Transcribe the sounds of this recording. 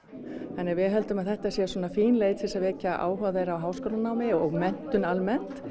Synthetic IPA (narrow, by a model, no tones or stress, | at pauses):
θanːɪɣvɪɦɛlt̪ʏmaðθɛht̪asjɛsɔːnafiːnlejt̪θɛsaɾvɛcaʔa̰ːwɦaɣðɛɾawɦaːwskoːwlanaːwmɪɔɣmɛn̥t̪ʏnalmɛn̥t̪